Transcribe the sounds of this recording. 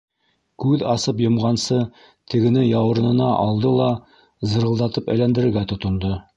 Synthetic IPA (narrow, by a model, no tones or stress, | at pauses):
kʉðɑsɤpjɤ̆mʁɑnsɤ | t̪ʰɘ̆ɡɘ̆nɘjɑwɤ̆ɾ̆nɤ̆nɑʔɑlˠd̪ɤlˠɑ | zɤ̆ɾɤ̆lˠd̪ɑt̪ɤpæ̰jlænd̪ɘ̆ɾɘ̆ɾɡæt̪ŏt̪ŏnd̪ɤ